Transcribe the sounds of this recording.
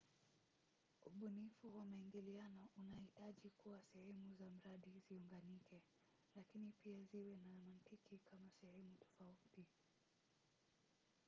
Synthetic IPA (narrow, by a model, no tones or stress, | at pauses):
uɓunifuwamaiŋɡilianɔʔunahitaʄikuwasɛhɛmuzam̩ɾaɗiziuŋɡanikɛ | lakinipiaziwɛnaɾɔmantikikamasɛhɛmutɔ̥fauti